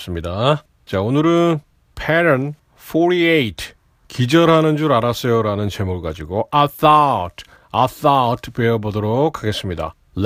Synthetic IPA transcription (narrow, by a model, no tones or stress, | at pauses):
s͈ɯmɲida | t͡ɕaonɯɾɯn | pʰeɾʌn | foɾiejtʰ | kid͡ʑʌɾɦanɯnd͡ʑuɾaɾas͈ʌjoɾanɯnt͡ɕe̞muɭɡad͡ʑiɡoʔaθatʰ | aθatʰpeʌbodoɾokʰːaɡe̞s͈ɯmɲida̰ | l